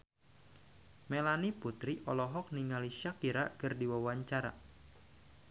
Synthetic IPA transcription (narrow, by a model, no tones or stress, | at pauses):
melaniput̪ɾiʔɔlɔɦɔk̚niŋaliʃakiɾa̰kərdiwawaɲt͡ʃaɾa̰